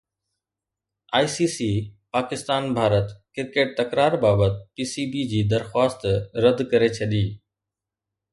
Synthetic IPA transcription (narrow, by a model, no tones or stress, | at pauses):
aːisiːsiːpaːkɪst̪aːnbʱaːɾət̪kɪɾkeːʈ̚t̪ɐkɾaːɾbaːbət̪piːsiːbid͡ʑiːd̪ɐɾxwaːst̪ɾɐd̪kɐɾet͡ɕʰɐɗiː